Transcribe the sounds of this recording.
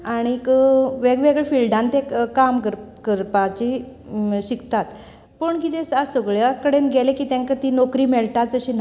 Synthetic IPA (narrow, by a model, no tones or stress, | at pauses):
aɽ̃ikʋeɡʋeɡɭefilɖãnt̪ekamkəɾkəɾpat͡ɕi | ɕikt̪at̪ | pəɳkit̪ẽsasəɡɭjakəɽenɡʱɛlekiːt̪ãŋkat̪iːnokɾiːmɛɭʈ̪at͡səɕiːn